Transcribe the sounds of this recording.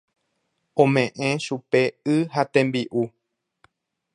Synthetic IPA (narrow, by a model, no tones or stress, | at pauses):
õmẽʔẽʃupe̞ɨɦat̪ẽ̞mbiʔu